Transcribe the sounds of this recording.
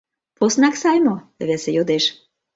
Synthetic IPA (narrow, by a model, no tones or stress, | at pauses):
posnɑksɑjmoβesejod̪eʃ